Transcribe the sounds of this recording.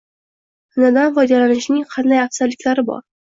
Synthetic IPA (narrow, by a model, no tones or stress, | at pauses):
hʊnad̪anvɒjd̪alanɪʃnɪŋqʰɑnd̪ajafsaɾlɪkʲlaɾɪbɒ̰ɾ